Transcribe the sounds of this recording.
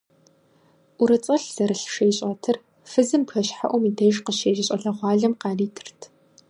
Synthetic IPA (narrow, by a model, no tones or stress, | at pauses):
ʔʷʊɾɨt͡sʼɐɬz̥ɐɾɨɬʃejɕʼɐtʰɨr | fɨzɨmpxɐɕħa̰ʔʷɔmiːdɐjʒqəʃeːʒɪɕʼɐɮɐʁʷɑːɮɐmqɑːriːtʰɨ̥rtʰ